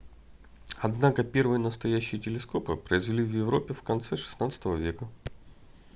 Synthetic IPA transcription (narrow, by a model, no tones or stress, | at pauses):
ɐd̪nakəpʲe̞rvɨjənəst̪ɐjæɕːɪjətʲɪlʲɪsko̞pɨpɾəɪzvʲɪlʲivjɪvɾopʲːɪfkɐnt̪sɛʂɨ̥snat̪sə̥t̪əvəvʲe̞kə